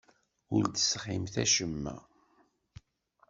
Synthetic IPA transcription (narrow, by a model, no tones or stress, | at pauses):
ʊɾd̪ə̥sχɪmθæʃəmːæ̰